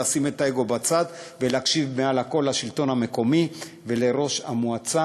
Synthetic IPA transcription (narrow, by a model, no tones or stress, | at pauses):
asimet̪aeɡo̞bat͡sad̪velakʃivmealhako̞lhaʃilt̪o̞nhame̞ko̞mi | ve̞le̞ɾo̞ʃha̰muat͡sa